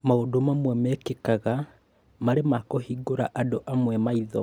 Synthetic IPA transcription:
maodomamwɛmɛkekaɣa | maɾemakoɦiɡoɾa̰ʔadoʔamwɛmaiðɔ

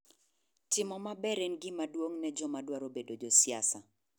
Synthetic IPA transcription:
tɪmɔmabɛɾɛnɡɪmadwoŋnɛd͡ʒɔmadwaɾobedod͡ʒosiasa

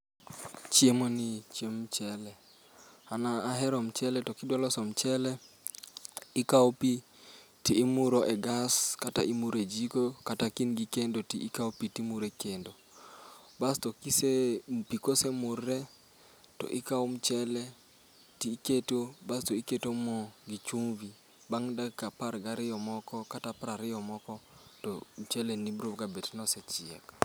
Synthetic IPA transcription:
t͡ʃjemonit͡ʃjemt͡ʃɛlɛ | anaːɦɛɾɔmt͡ʃɛlɛtɔkɪdwalɔsɔmt͡ʃɛlɛ | ɪkaopi | tiːmʊɾoʔɛɡaskata̰ʔimuɾed͡ʒikokatakinɡikendotiʔːkaopitimuɾekendo | bastɔkisepikosemʊrːɛ | tɔ̰ʔikaom̩t͡ʃɛlɛ | tiːketobastoiketomɔɡit͡ʃumvi | baŋdakapaɾɡaɾɪjɔmɔkɔkatapɾaɾɪjɔmɔkɔtɔm̩t͡ʃɛlenibɾobɡabetnɔsɛt͡ʃɪɛ̰k

